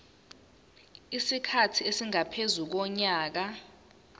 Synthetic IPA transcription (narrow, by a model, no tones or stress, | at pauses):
isikʰatʰiesiŋapʰezuk̬ɔɲaːk̬a